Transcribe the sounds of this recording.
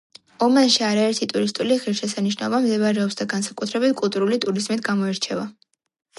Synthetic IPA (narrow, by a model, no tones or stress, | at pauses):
ɔmanʃiaɾaɛɾt̪ʰit̪ʼuɾist̪ʼuliʁiɾʃɛsaniʃ̬naɔbamzɛβaɾɛɔpsd̪aɡansakʼut̪ʰɾɛbit̪ʰkʼulˠt̪ʼuɾulit̪ʼuɾizmit̪ʰɡamɔɛɾt͡ʃʰɛva